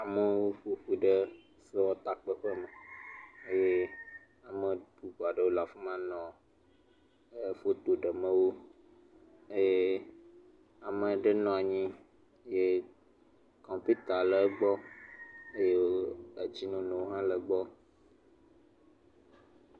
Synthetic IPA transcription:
a˨mə̃˦wo˦ɸo˦ɸu˦ɖə˦ | se˦wɔ˦t̪a˨k͡pə˦ɸə˦mə̃˨e˦je˦ | a˨mə̃˨bu˨ɸo˨a˨ɖə˦wo˦la˨fo˦mã˦nɔ̃˨˦ | fo˦t̪o˨ɖə˨mə̃˦wo˦ | e˦je˦ | a˨mə̃˨ɖə˦nɔ̃˦a˨ɲĩ˦ | je˦ | kɔ̃˨mpi˦t̪a˨lə˨ɡ͡bɔ˦ | e˦je˦wo˦ə˨d͡ʑi˦nũ˦nɔ̃˨wo˦ɦã˦lə˨ɡ͡bɔ˦

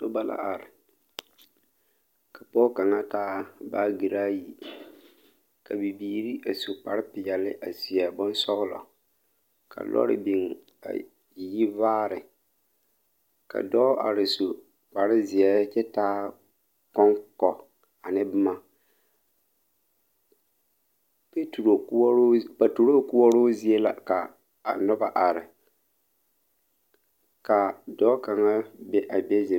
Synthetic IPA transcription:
o˦ba˦la̰˦ʔa˨ɾɪ˨ | ka˨pɔː˦ka˨ŋa˦taː˦baː˦ɡi˨ɾaː˦ji˨ | ka˨bi˨biː˦ɾi˦ʔa˨so˨k͡pa˨ɾɪ˦pɪ˨ja˨lɪ˦ʔa˨si˨a˨bɔ˦n˦sɔ˦ɣʊ˦lɔ̰˨ | kʰa̰˨lɔ̰˦ɾɪ̰˦bi˨ŋ | a̰˨ | ji˦vaː˦ɾɪ˨ | ka̰˨dɔ˦ʔa˨ɾɪ˨so˨ | pa˨ɾɪ˦zɪ˨ɛ˦t͡ʃɛ˦taː˦ | kɔ˦ŋkɔ˨ | a˨nɪ˦bɨ˦ma˦ | pe˦tu˨ɾo˨˦pa˨tu˨ɾo˦kʊ˦wɔ˦ɾo˦zi˦e˦la̰˨kaː˨ | nɔ˦ba˨ʔa˨ɾɪ˨ | ka˨dɔ˦ka˨ŋa˦bɛ˦ʔa˨bɛ˦ze˨

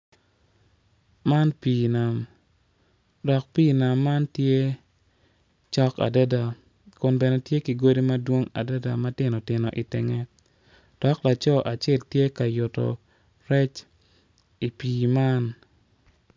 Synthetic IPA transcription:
ma˦npiː˨na˨m | dɔ˨k̚piː˦˨na˨mːa˦ntje˦ | t͡ʃɔ˦ka̰˨da˦da˨ | kʊ˨nbɛ˨nɛ˨tje˦ki˨ɡo˦di˦ma˦dwo˦ŋa̰˨dɛ˦da˨ma˦tɪ˦nɔ˨tɪ˨nɔ̰˨ʔɪ˨tɪ˨ŋɛ˦ | d̥ɔ˨˦kla˨t͡ʃɔ˦ʔa˨t͡ʃɛ˦˨ltje˦ka˨jʊ˨tɔ̰˨ | ɾɛ˦t͡ʃ | i˨piː˨ma˦n

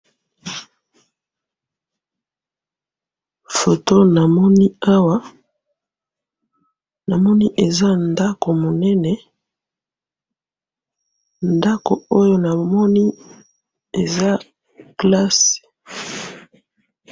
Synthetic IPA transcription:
fo˨to˦na˨mɔ˦ni˦a˦wa˦ | na˨mɔ˦ni˦ʔe˨za˦nda˦ko˨mo˨nɛ˦nɛ˨ | nda˦ko˨o˦jo˦na˨mɔ˦ni˦ | e˨za˦ | kla˦s

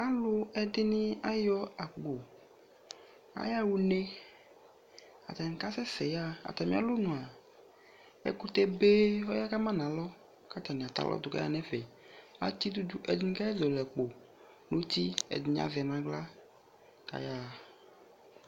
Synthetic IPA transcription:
a˦lʊ˦ɛ˦d̪ɪ˦nĩ˦a˦jɔ˦a˨k͡po˨ | a̰˨ja˦wu˨ne˦ | a̰˨t̪ɛ˨ŋ̩˨ka˦sɛ˦sɛ˨ja˦a̰˨t̪a˨mĩ˦ã̰˦˨lʊ˦nũ˨a˨ | ɛ̰˦ku˦t̪e˦be˦wɔ˦ja˦ka˦mã˦nã˨lɔ˦ | ka˦t̪a˨nĩ˨a˨t̪a̰˨lʔɔ̰˦d̪ʊ˨ka̰˦a̰˦nɛ̃˦vɛ˨ | la̰˦t̪i˦d̪u˦du˦ʔe˨dnĩ˦ka˦ɛ˦zɔ˨lɛ˨k͡po˨ | nu˦t̪i˦ɛ̰˨d̪i˨ɲ˦a̰˨vɛ˨nã˨ɡ͡bla˦ | ka̰˨ja˦

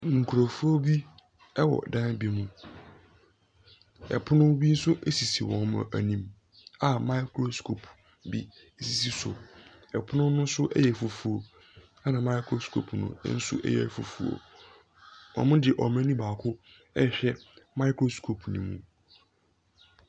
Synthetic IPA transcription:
ŋ̩˨kʰu˨ɾa˨fu˦o˦bi˦ | ɛ˦wɔ̰˨dã˦n˦bi˦mũ˨ | ɛ̰˨pʰʊ˦nʊ̃˦bi˦n̩˦sʊ˦ʔe˦si˨si˨wɔ̰̃˨nm̰˨æ˨nĩ˦m | a˦ma˦kʰɾo˦skʰo˨pʰ | bi˦ | e˦si˦si˦sʊ̰˨ | ɛ˨pʰʊ˦nʊ̃˦nːʊ̃˦n̩˦sʊ˦ʔɛ̰˦jɛ˨fo˨fu˨o˨ | a˦nã˨mã˦ɪ˦kʰɾo˦skʰo̰˨pʰnʊ̰̃˨˦n̩˦sʊ̰˦ʔɛ̰˦jɛ̰˨fo˨fu˨o̰˨ | wɔ̰̃˨mʊ̃˦dɪ˨ʔɔ˨m˦ã˦nĩ˦baː˨kʰʊ˦ | ɛ˦˨ɕᶣɛ˦mã˦ɪ˦kʰɾo˦skʰo˨pʰnḭ̃˨mṵ̃˨

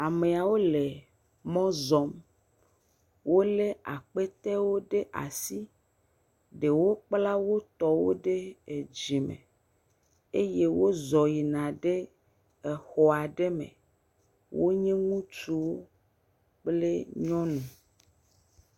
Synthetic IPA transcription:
a˨me˨a˨wo˦le˨ | mɔ̃˦zɔ˨m | wʔo˦le˦a˨k͡pe˦t̪ɛ˦wo˦ɖe˦ʔa̰˨si˦ | ɖe˨wo˦k͡pla˦wo˦t̪ɔ˦wo˦ɖe˦e˨d͡ʒi˨mḛ̃˨ | e˦je˦wo˦zɔ˨ji˨nã˨ɖe˦ | e˨xɔ˨a˨ɖe˦mḛ̃˨ | wo˦ɲɛ̃˦ŋũ˦t͡ʃu˦wo˦ | k͡ple˦ɲɔ̃˦nũ˨

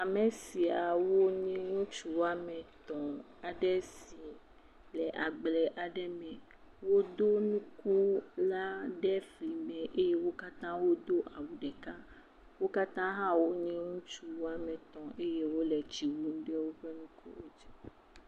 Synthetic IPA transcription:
a˨mɛ˨si˨a˨wo˦ɲɛ̃˦ŋũ˦t͡ʃu˦wa˦mɛ̃˨t̪ɔ̃˨ | a˨ɖɛ˦si˨ | lɛ˨ʔa˨ɡ͡blɛ˨ʔa˨ɖɛ˦mɛ̃˨ | wo˦d̪o˦nũ˦ku˦la˦ɖɛ˦fli˨mɛ̃˨ʔe˦je˦wo˦ka˦t̪ã˦wo˦d̪o˦ʔa˨wu˨ɖɛ˨ka˦ | wo˦ka˦t̪ã˦ɦã˦wo˦ɲɛ̃˦ŋũ˦t͡ʃu˦wo˦a˦mɛ̃˨t̪ɔ̃˨ʔe˦je˦wo˦lɛ˨t͡ʃi˨wu˦n˦ɖɛ˦wo˦ɸɛ˦nũ˦kṵ˦wo˦d͡ʒɛ˦

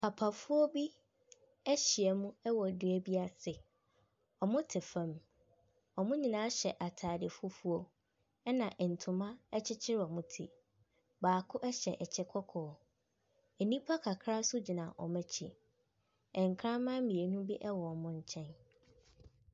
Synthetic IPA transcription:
pʰa˨pʰa˨fu˦ɔ˦bi˦ | ɛ˦ɕi˨ɛ˨mũ˦ɛ˦wɔ˨dɪ˨˦ɛ˦bi˦a˦sɪ˨ | ɔ˨mʊ̃˦tʰɪ˨fã˦˨m | ɔ˨mʊ̃˦ɲĩ˨nã˦ɕɛ˨ʔa˨tʰaː˨dɪ˨fʊ˦fu˦o˦ | ɛ˦nã˨ʔɛ˨n̩˨tʰʊ̃˨mã˦ɛ˦t͡ɕʰɪ˦t͡ɕʰɪ˦ɾɔ˨mʊ̃˦tʰḭ˨ | baː˨kʰʊ˦ʔɛ˦ɕɛ˨ʔɛ˨t͡ɕʰɛ˦kʰɔ˦kʰɔː˨ | ɛ˨nĩ˦pʰa˦kʰa˨kʰɾa˦sʊ˦d͡ʑi˨nã˨ʔɔ̰˨mɛ̃˦t͡ɕʰḭ˨ | ɛ̃˨ŋ˨kʰɾã˦mã˦mĩ˨e˨nũ˦bi˦ʔɛ˦wɔ˨ɔ˨mʊ̃˦ɲ̩˨t͡ɕʰɛ̃˦n

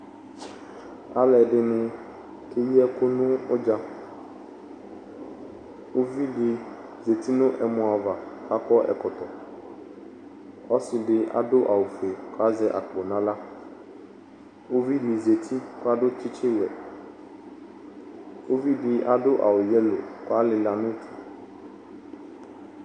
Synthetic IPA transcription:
a˦lɛ˨ɖɪ˦nʊ̃˦ | kʰe˦jɛ˦kʊ˦nʊ̃˦ʊ˦d͡ʒã˦ | wo˦vi˦dɪ˨ | ze˨t̪i˦nʊ̃˦ʔɛ˨mʊ̃˨a˨va˨ka˦kɔ˦ʔɛ̰˨kɔ˨t̪ɔ˨ | ɔ˦sɪ˨ɖɪ˦ʔa̰˦dʊ˦ʔa˨wʊ˨fe˨kʊ˦a˦zɛ˦ʔa˨k͡po˨nã˦la˦ | wo˦vi˦li˨ze˨t̪ʰi˦kʊ˦a˦ɖʊ˦t͡ʃɪ˦t͡ʃɪ˦wɛ˨ | wo˦vi˦ɖɪ˦ʔa˦ɖʊ˦ʔa̰˨wʊ˨jɛ˦lo̰˨kʊ˦a˦lɪ˨la˨nʊ̃˦tʰu̥˨

